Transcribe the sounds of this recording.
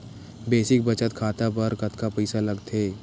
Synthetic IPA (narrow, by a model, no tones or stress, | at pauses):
beːsɪk̚bɐt͡ʃət̪kʰaːt̪apɐɾkɐt̪kapɛːsalɐɡt̪ʰeː